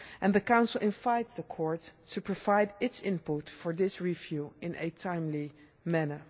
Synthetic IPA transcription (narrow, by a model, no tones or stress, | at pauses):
ʔɛ̃nðəkãʊ̃nsəl̩ˠɪ̃nvaɪtsðəkʰɔɹtʰːupɹovaɪdɪtsɪ̃nputfɔɹðɪsɹivjuɪ̃nʔɨtʰãɪ̃mli | mænə˞